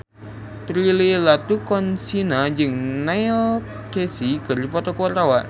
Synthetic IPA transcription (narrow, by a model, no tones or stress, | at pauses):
t̪ɾililat̪ukɔnsinad͡ʒɨŋnajl | kesikɨrdipɔt̪ɔkuart̪awa